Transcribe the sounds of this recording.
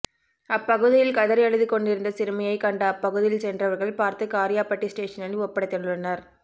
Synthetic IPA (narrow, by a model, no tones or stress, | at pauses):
ɐpːɐɣɯðɪjɪlkɐðɐɾɐɻɯðɯkɔɳɖɪɾɯnd̪ɐsɪɾɯmɐjɐɪkɐɳɖaɐpːɐɣɯðɪjɪlsɛndrɐʋɐɾɣɐɭpaːɾt̪ɯkaːɾɪjaːpɐʈːisʈeːʂɐnɐlɔpːɐɽɐt̪ːɛɳɖɯɭɐnːɐɾ